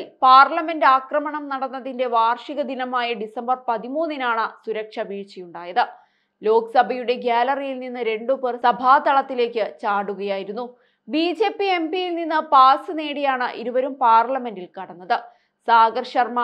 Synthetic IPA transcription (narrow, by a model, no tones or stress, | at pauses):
lpaːrlɐme̞ndɨaːkrɐmɐɳɐmnɐɽɐnːɐðinde̞ʋaːrʂiɣɐd̪inɐmaːjɐɖisɐmbɐrpɐðimuːnːinaːɳɨsuɾɐkʂɐʋiːɻt͡ɕijuɳɖaːjɐðɨ | lo̞ːkɐsɐbʱɐjuɽe̞ɡaːlɐrijilninːɨɾe̞ɳɖupɨrsɐbʱaːt̪ɐɭɐt̪ːile̞ːkʲːɨt͡ɕaːɽuɣɐjaːjiɾunːu | biːd͡ʑe̞ːpːie̞mbijilninːɨpaːsɨne̞ːɽijaːɳɨʔiɾuʋɐɾumpaːrlɐme̞ndilkɐɽɐnːɐðɨ | saːɡɐrʂɐrma